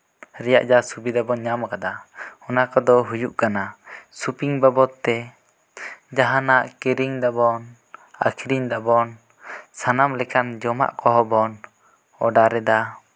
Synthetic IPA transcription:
ɾɛja̰ʔd͡ʒasubid̪abɔnɲamkad̪aɔnakɔd̪ɔɦujuʔkanasupiŋbabɔt̪ːɛ | d͡ʒaɦanaʔkɛɾiŋd̪abɔn | a̰kʰiɾiŋd̪abɔn | sanamlɛkand͡ʒɔma̰ʔkɔɦɔbɔn | ɔɖaɾɛd̪a

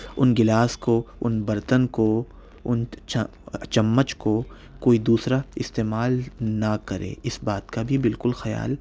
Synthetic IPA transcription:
ʊnɡɪlaːskoʊnbɐɾt̪ənko | ʊn | t͡ʃɐmːət͡ʃko | koːid̪uːsɾaɪst̪eːmaːlnakɐɾḛ̃ːɪsbaːt̪kabʱibɪlkʊlxɐja̰ːl

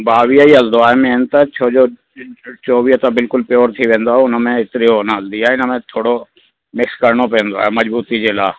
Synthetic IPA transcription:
baːʋiəiɦɐld̪oaːɦemẽnt̪ɐt͡ʃʰoːd͡ʒoː | t͡ʃoːʋiət̪abɪlkʊlpɪjoːɾt̪ʰiʋẽːnd̪oaɦeʊnmẽɪt̪ɪɾionəɦɐld̪iaːɦeɪnəmẽt̪ʰoːɽo | mɪkskɐɾɳ̃opẽːnd̪o̰a̰ːɦemɐd͡ʑbuːt̪id͡ʑeːla̰ː

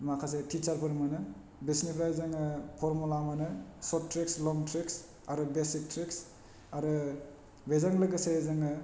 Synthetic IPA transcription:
makʰas̬etʰit͡ʃaɾpʰɯɾmanɯ | bisnipʰɾajzaŋɯpʰɔɾmulamanɯsɔtɾekslɔŋtɾiks | aɾɯbesik̚tʰɾiks | aɾɯ | bezaŋlɯɡɯsezaŋɯ

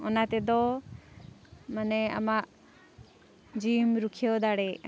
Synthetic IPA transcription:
ɔnat̪ɛd̪ɔ | manɛa̰maʔ | d͡ʒimɾukʰijɔd̪aɽɛʔ

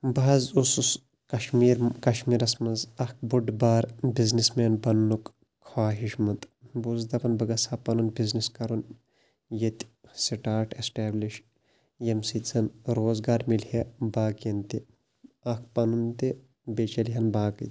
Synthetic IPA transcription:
bazusus | kɐʃmiːɾkɐʃmiːɾɐsmɐnzɐk̚ʰbuɖbaːɾbiznismeːnbɐnːuk | kʰwaːɦiʃmɐnt̪buzd̪ɐpɐnbɐɡɐsaːpɐnunbizniskɐɾun | jɐt̪siʈaːɾʈesʈeːbliʃ | jɐmsizɐnɾoːzɡaːɾmiljɐbaːkjɐnt̪i | ɐk̚pɐnunt̪e | bet͡ʃɐlɦɐnbaːkɐ̰t̪

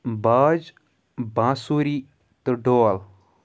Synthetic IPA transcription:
baːd͡ʒ | bãːsuɾi | t̪əɖoal

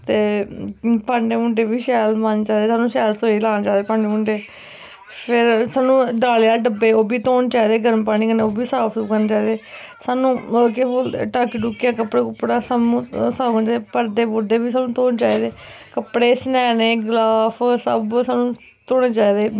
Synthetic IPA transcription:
t̪eː | pãːɳɖeːmʊɳɖeːbiːʃɛːlmanːt͡ʃaːd̪eːsaːnũːʃɛːlsoːiːlaːnat͡ʃaːd̪eːpaːɳɖeːmʊɳɖeː | pʰɪɾsaːnũːd̪aːleːaːlɖəbeːoːbʱiːt̪oːnt͡ʃaːiːd̪eːɡʱəɾəmpaːɽ̃iːkəneoːbiːsaːpʰskəneːt͡ʃaːiːd̪eː | saːnũːk̬eːbolʈaːkiʈuːkːjaːkəpːɽeːkʊpːɽaːsamũːsaːɡt͡ʃaːd̪epəɾd̪eːbʊɾd̪eːbiːsaːnũːt̪oːnt͡ʃaːiːd̪eːkəpɽeːsnɛːneːɡlaːpʰsəbsaːnũː | t̪oːneːt͡ʃaːiːd̪eː

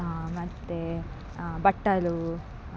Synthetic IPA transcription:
mɐt̪ːe | bɐʈːɐlu

